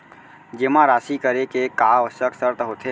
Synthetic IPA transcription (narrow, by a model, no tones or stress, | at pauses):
d͡ʒemãɾaːsikəɾekekaːɔsəksəɾt̪ɦoːt̪ʰe